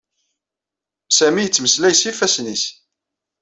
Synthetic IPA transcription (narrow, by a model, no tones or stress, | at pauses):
sæmijət͡sːməslæjsifæsnis